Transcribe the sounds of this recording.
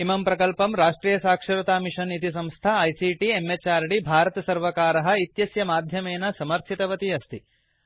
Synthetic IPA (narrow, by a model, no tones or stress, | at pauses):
imɐmpɾɐkɐlpɐmɾaːʂʈɾiːjɐsaːkʂɐɾut̪aːmiʂɐnit̪is̬ɐ̃mst̪ʰaɐjsiʈiemːet͡ʃaːɾɖibʱaːɾɐt̪ɐsɐɾʋɐkaːɾɐɦɐ̆it̪jɐsjɐmaːd̪ʱjɐmeːnɐsɐmɐɾt̪ʰit̪ɐʋɐt̪iɐst̪ʰi